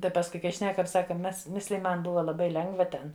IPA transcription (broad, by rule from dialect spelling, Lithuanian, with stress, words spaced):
ˈtɐɪ pɐsˈkʊɪ kɐɪ ˈʃʲnʲæːkɐm ˈsɑːkɐ ˈmʲɛs ˈmʲɪsʲlʲɪjɪ ˈmɐn ˈbʊʋɐ lˠɐˈbɐɪ ˈlʲɛŋɡʋɐ ˈtʲɛn